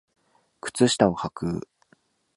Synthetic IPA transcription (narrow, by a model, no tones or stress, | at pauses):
kɯ̟̥t͡sɨɕi̥t̪aohakɯ̟ː